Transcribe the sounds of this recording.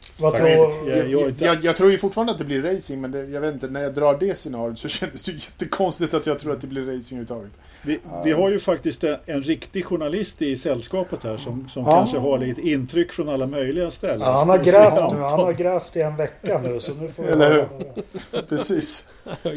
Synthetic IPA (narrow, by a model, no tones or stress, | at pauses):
vatɾjɪnɑjɑːɡt̪ʰɾuːɾjɵfʊʈfɑːand̪at̪̚d̪ɛblɪɾːɛjsɪŋmɛnd̪ɛjɑɡveːt̪ɪnt̪ənæɾjad̪ɾɑːɖɛsɛnɑːɾjət̪sɔɕɛnd̪əsd̪ɵjɛt̪ːəkʰɔnst̪ɪt̪at̪jɑɡt̪ʰɾuːɾat̪̚d̪ɛblɪɾːɛjsɪŋhʉvɾət̪ʰɑːɡət̪ | dɪvɪɦaɾjɵfakt̪ɪst̪ɛɛnɾɪkt̪ɪɡɧʊɳalɪst̪ɪsɛlːskɑːpət̪hæːʂɔmsɔmkʰanʂəɦaɭiːt̪əɪnt̪ʰɾʏkːfɾɔnalːamœjlɪɡast̪ɛlːəhanhaɾɡɾɛːfnʉːhanhaɾɡɾɛːft̪ɪɛnvɛkːanʉ̟ːsɔnʉ̟foɛlːəɾhʉː | pʰɾɛsiːs